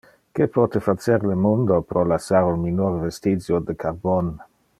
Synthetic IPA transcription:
kepɔt̪efat͡seɾlemond̪opɾolasːaɾunminorvest̪id͡ʒjod̪ekʰarbon

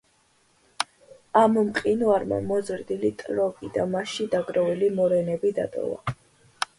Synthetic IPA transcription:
ammqʼinuaɾma̰mɔzɾd̪ilit̪ʼlɔɡʼid̪amaʃid̪aɡɾɔvilimɔɾɛnɛbid̪a̰t̪ʼɔ̰va̰

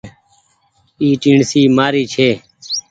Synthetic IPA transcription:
iːʈĩɳsiːmaːɾiːt͡ʃʰeː

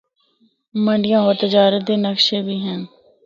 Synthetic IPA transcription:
məɳɖɪjãːɦoːt̪ed͡ʒaːɾəd̪eːnəkʃeːbʱiːɦɛ̃ː

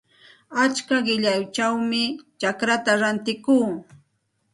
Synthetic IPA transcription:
at͡ʃkaɢɪʎajt͡ʃawmɪt͡ʃakɾat̪aɾant̪ɪkuː

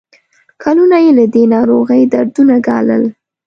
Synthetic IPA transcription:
kʰalunajelad̪enɑɾoɣəjd̪aɾd̪unaɡɑ̰lə̰l

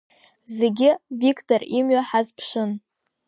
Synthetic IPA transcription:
ze̞ɡʲɪvikʰʼtʰorimɥaħazpʰʂɨn

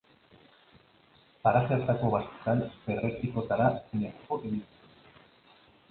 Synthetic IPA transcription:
paɾaseɾt̪ako̞βast̪e̥t̪anberet̪iko̞t̪aɾasinet̪ḁko̞ʔeɣint͡se

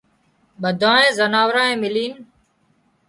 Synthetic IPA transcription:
ɓəd̪ʱãːẽːzənaːʋɾãːẽːmɪliːn

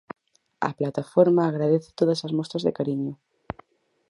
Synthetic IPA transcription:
a̰plat̪afoɾmaːɣɾað̞eθe̥t̪oðasazmost̪ɾazðḛkaɾiɲo

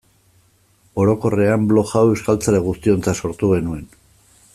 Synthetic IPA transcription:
o̞ɾo̞ko̞re̞amblo̞xawewskalt͡saɾe̞ɣ̞ust̪io̞nt͡saso̞ɾt̪uɣ̞e̞nue̞n

